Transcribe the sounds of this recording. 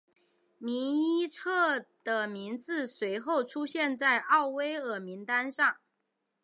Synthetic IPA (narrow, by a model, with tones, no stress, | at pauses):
mi˧˥i˥ʈ͡ʂʰɤ˥˩d̪̥ə˨mi˧˥nt͡sɹ̩˥˩swe˧˥ɪxo˥˩ʊʈ͡ʂʰu˥ɕjɛ˥˧nt͡sa˥˧ɪʔɑ˥˩ʊwe˥ɪə˨˩mi˧˥nt̪a˥nʂɑ˥˩ŋ